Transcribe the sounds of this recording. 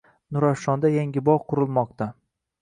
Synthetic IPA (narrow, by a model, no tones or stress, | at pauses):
nʊɾaʃɒnd̪ajaŋɡʲɪbɒqʰʊɾɨlˠmɒq̚t̪a